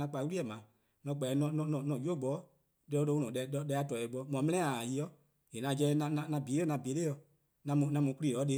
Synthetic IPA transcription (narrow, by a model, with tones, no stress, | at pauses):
ã˧k͡pa˧˨˦wu˦i˦ɛ˨mãː˨ | nɔ̃˧˨˦k͡pɛ˨nɔ̃˧˨nɔ̃˧˨nɔ̃˨nɔ̃˨jo˦˨˦ɡ͡bɔ˨˦ | de˧ɔ˦lo˧˦ũ˧nɔ̃˨ɛ˧˨ɔ˧˦dɛ˧˦a˧˦tɔ˨ɛ˨ɡ͡bɔ˧˦mɔ̃˨˦mɛ̃˦nɛ̃˦a˨ji˧˦ɔ˦ | e˨nã˧d͡ʒɛ˧˦˧nã˧nã˧nã˧biː˨˦ɔ˦nã˧˨bi˨˦e˦jɔ˧ | nã˧mũ˧˨nã˧mũ˧˦ku˦ɾiː˦˨ɔ˨˦de˧˦